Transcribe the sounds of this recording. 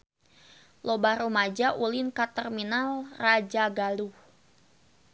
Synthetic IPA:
lobaɾumad͡ʒaʔulɪnkat̪ərminalrad͡ʒaɡalu

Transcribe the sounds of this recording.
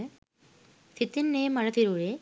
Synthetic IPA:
t̪ʰit̪ːinːeːmɐɻɐt̪iɾuːɻe

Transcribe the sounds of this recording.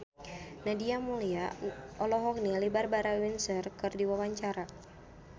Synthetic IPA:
nadiamuliaɔlɔɦɔk̚nilibarbaɾawinsərkɨrdiwawaɲt͡ʃaɾa

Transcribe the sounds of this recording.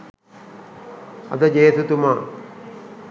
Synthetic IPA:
ɐ̰d̪əd͡ʒeːt̪ut̪uma

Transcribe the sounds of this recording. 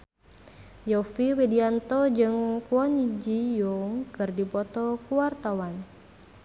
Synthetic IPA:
jɔfiwediant̪ɔd͡ʒɨŋkuɔnid͡ʒijɔŋkɨrdipɔt̪ɔkuwart̪awan

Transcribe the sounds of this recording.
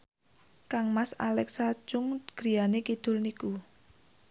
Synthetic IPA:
kaŋmasa̰lɛksḁd͡ʒʊŋɡ̥ɾi̤anekid̪̥ʊ̤lniku

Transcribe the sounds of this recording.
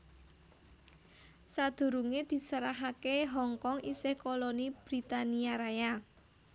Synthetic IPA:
sad̪̥ṳɾuŋed̪̥i̤səɾaɦakeɦɔŋkɔŋisɪhkolonib̥ɾit̪aniaɾaja

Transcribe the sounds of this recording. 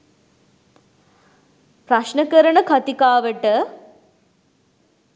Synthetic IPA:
pɾɐʃɳəkəɾəɳəkʰɐt̪ikaːʋəʈə

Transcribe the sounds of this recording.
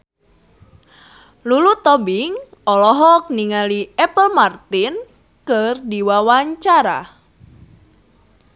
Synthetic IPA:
lulut̪ɔbiŋ | ɔlɔɦɔk̚niŋaliɛpəlmart̪ɪn | kərdiwawaɲt͡ʃaɾa̰

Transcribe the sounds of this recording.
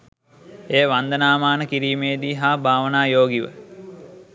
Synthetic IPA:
eːʋand̪ənaːmaːnəkiɾiːmejd̪iːɦaːbʱaːʋənaːjoːɡiʋə̰

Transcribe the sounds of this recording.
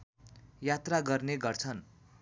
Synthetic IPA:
jat̪raɡʌrneɡʌrt͡sʰʌn

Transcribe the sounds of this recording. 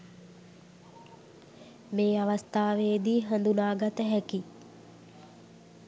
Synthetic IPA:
meːaʋast̪aːʋejəd̪iːɦand̪unaːɡat̪əɦɛki

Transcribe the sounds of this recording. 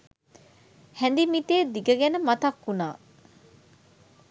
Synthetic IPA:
hɛnd̪imit̪eːd̪iɡəɡænəmat̪ɐkːunaː

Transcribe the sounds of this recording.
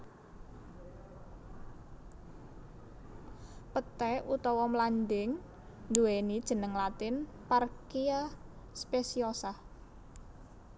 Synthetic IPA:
pət̪ɛut̪ɔwɔmlandɪŋ | nd̪uwenid̥ʒ̥ə̤nəŋlat̪ɪn | parkia | spesiɔsah

